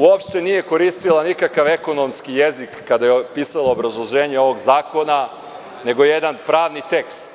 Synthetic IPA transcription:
uopʃt̪e̞nije̞ko̞ɾiːst̪ilˠanikakaʋe̞ko̞no̞mskije̞zikːad̪ajepisalˠoːbɾazlˠoʒe̞ːɲe̞o̞ʋo̞ɡzaːko̞na | ne̞ɡo̞je̞d̪anpɾaːʋnit̪ekst̪

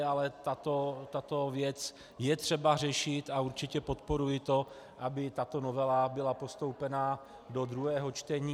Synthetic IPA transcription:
alɛt̪at̪ot̪at̪o̞vjɛt͡s | jɛt̪r̝̥ɛbar̝ɛʃɪt̪auɾt͡ʃɪcɛpo̞t̪po̞ɾujɪt̪o̞ | ʔabɪt̪at̪o̞novɛlabɪlapo̞st̪o̞wpɛna | dod̪ɾuɦɛːɦo̞t͡ʃt̪ɛɲiː

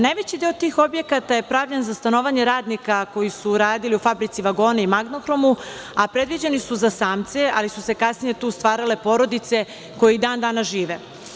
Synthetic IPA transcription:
najʋet͡ɕid̪iot̪iːxo̞bje̞kat̪aje̞pɾaʋʎenzast̪ano̞ːʋaɲeɾaːd̪nikako̞jisuɾaːd̪iliufabɾit̪siʋaɡo̞ːnaimaɡnoxɾo̞mu | apɾe̞d̪ʋid͡ʑe̞nisuzasaːmt̪sealisuse̞kasnije̞t̪uːst̪ʋaːɾale̞po̞ɾo̞d̪it̪se̞ | ko̞jeid̪aːnd̪aːnaʒiːʋe̞

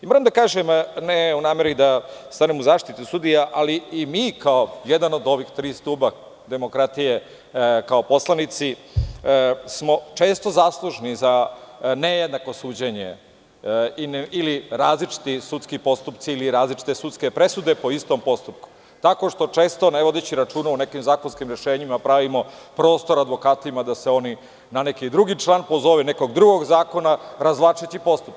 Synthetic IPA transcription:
imoɾamd̪akaːʒemneunaːmeɾid̪ast̪anemuzaːʂt̪it̪usud̪ijaʔaliːmiːkaojed̪ano̞d̪o̞ʋixt̪ɾiːst̪uːba | d̪e̞mokɾat̪ije̞ | kao̞po̞slˠanit̪si | smo̞t͡ʂe̞ːst̪o̞zaːslˠuʒnizanejed̪nako̞suːd͡ʑeɲḛ | iniliɾaːzlit͡ʃi̥t̪isut̪skipo̞st̪upt̪siːliɾaːzlit͡ʃi̥t̪esut̪ske̞pɾe̞sud̪e̞po̞ist̪o̞mpo̞st̪up̚ku̥ | t̪ako̞ʂt̪o̞t͡ʂe̞ːst̪o̞neʋo̞d̪et͡ɕiɾat͡ʃuːnaune̞kimzaːkonskimɾeʃeːɲimapɾaʋimo̞pɾo̞ːst̪o̞ɾad̪ʋo̞kaːt̪imad̪aseo̞ni | nanekid̪ɾuɡit͡ʂlˠaːnpozo̞ʋene̞ko̞ɡd̪ɾuɡo̞ɡzaːko̞naɾazʋlˠat͡ʂet͡ɕipo̞st̪upk

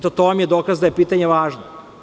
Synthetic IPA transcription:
t̪ot̪oomjed̪okazd̪ajepiːt̪aɲe̞ʋaːʒno

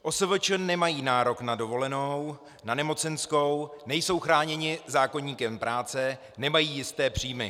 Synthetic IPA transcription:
ʔo̞səvət͡ʃənɛmajiːnaːɾo̞knado̞vo̞lɛno̞w | nanɛmo̞t͡sɛnsko̞wnɛjso̞wxɾaːɲɛɲɪzaːko̞ɲiːkɛmpɾʔaːt͡sɛ | nɛmajiːjɪst̪ɛːpr̝̥iːmɪ̰

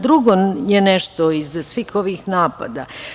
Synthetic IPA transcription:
d̪ɾuɡojenɛʃt̪oizsʋiːxo̞ʋiːxnaːpa̰d̪a

